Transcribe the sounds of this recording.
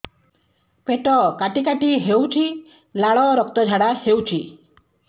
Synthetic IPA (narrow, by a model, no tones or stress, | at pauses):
peʈɔkaʈikaʈiɦewt͡ʃʰi | laɭɔɾɔk̚t̪ɔd͡ʒʱaɽahewt͡ʃʰi